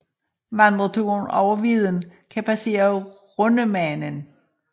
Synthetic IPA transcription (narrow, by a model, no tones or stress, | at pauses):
ʋɑ̈nd̥ʁɐt͡sʰunɒʊɐʋið̞ˠənkʰæpʰæse̝̰ːɐ | ʁɔnəmænən